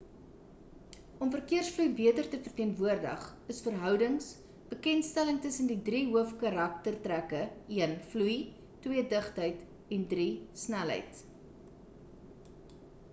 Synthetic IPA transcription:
ɔmfərkiərsflujbiətərtəfərtiənvuərdə̰χəsfərɦœwdəŋs | b̥əkɛntstæləŋtəsəndidriɦuəfkɐɾɐk̚tərtrækəiənfluj | twiədəχtɦəjt | ɛndrisnælɦə̰jt

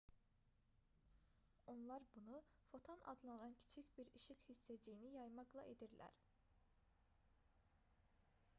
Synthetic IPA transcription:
o̞nlˠaɾbunu | fo̞t̪ʰona̰d̪lˠanancʰi̥t͡ʃʰicbiɾiʃikhisːed͡ʒejinijajmaklˠa̰ʔed̪iɾlʲæ̰ɾ̥

